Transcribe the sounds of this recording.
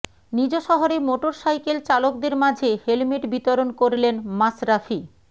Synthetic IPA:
nid͡ʑoʃɔɦoɾemoʈoɾsajkelt͡ɕalokd̪eɾmad͡ʑʱehelmiʈbit̪oɾonkoɾilenmasɾafʰi

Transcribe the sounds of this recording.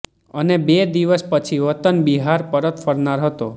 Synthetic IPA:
ənebed̪iʋəspət͡ʃʰiʋət̪ənbiɦaɾpəɾət̪fəɾnaɾɦət̪o

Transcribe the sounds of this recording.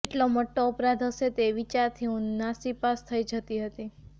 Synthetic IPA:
eʈloməʈːoːpɾad̪ʱəʃet̪eʋit͡ʃaɾt̪ʰiũnasipast̪ʰəid͡ʒət̪iɦət̪i

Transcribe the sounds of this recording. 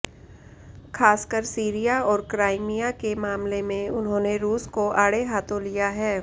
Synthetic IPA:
xʰaːskəɾsiːɾijaɔːɾkɾaːɪmijakemaːmlemẽʊnɦõːneɾuːskoʔaːɽeɦaːt̪ʰõlijaɦɛː

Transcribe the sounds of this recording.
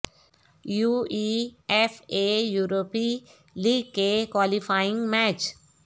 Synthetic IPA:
juːiɛfejuːɾoːpi | liːɡ̚kekwaːlifaːjɪ̃ŋɡmɛːt͡ʃ

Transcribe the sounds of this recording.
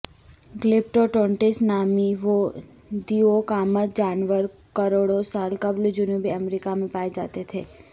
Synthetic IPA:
ɡlɪp̚ʈoʈɔ̃ːɳʈɪsnaːmiʋo | d̪iokaːmət̪d͡ʒaːnʋəɾ | kəɾoːɽosaːlkɐbld͡ʒʊniõbʱiɐmɾiːkamẽpaːed͡ʒaːt̪et̪ʰḛː

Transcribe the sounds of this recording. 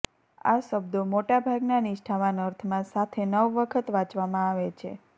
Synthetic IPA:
a̰ʃəbd̪omoʈabʱaɡnanɪʃʈʰaʋanəɾt̪ʰmãsat̪ʰenəʋːəkʰət̪ʋãt͡ʃʋamãaʋet͡ʃʰḛ

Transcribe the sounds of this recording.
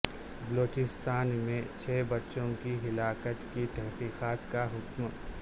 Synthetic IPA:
bɐloːt͡ʃɪst̪aːnmẽt͡ʃʰɛːbɐtːʃõkiɦɪlaːkət̪kit̪ɐɦqiːqaːt̪kaɦʊkm

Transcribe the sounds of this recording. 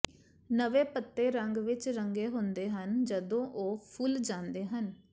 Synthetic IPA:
nəʋeːpət̪ːeːɾəŋɡʋɪt͡ʃɾəŋɡeːɦʊnd̪eːɦənd͡ʒəd̪õːʔoːpʰʊld͡ʒãːnd̪eːɦən

